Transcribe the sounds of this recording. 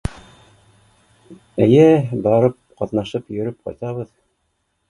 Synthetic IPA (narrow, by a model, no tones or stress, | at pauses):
æjæbɑɾɤp̚qɑt̪nɑʃɤpjɵ̆ɾɵp̚qɑ̰jt̪ɑβɤð